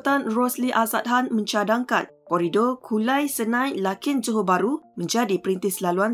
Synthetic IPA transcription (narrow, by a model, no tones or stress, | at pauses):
t̪anrɔsliʔasat̪̚ɦanmə̃ɲt͡ʃadaŋka̰n | kɔɾidɔkʰulajsənãjlakɪnd͡ʒuɦobaɾumə̃ɲd͡ʒadipəɾint̪ɪhsəlaluan